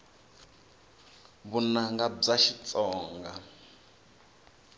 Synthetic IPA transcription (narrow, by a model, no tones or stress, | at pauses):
βunaŋɡab͡ʐaʃit͡sʼɔːŋɡa